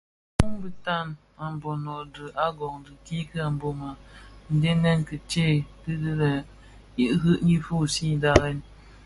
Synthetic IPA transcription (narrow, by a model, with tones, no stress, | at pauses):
mu˦ŋbə˦ta˦˨n | a˨m˨bɔ˨nɔ˨də˨ʔa˦ɡɔ˨ŋdɨ˨ki˦kɨ˦a˨m˨bo˨ma˨n̩˨de˦nɛ˦nkə˨t͡ʃe˦˨kɨ˦də˦ɾə˨ | i˦ʔɦɨ˦ʔɲi˦fu˦˨si˦˨da˦ɣɛ˦n